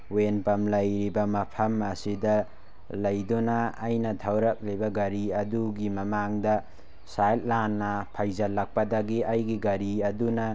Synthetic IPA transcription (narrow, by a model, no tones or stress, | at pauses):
wenpɐmlɐjɾibɐmɐpʰɐmɐsidɐ | lɐjdɔnɐːjnɐdʱawɾɐk̚libɐɡɐɾiɐduɡimɐmaŋdɐ | sajt̚lanːɐpʰajzɐlɐk̚pɐdɐɡiʔɐjɡiɡɐɾiɐdunɐ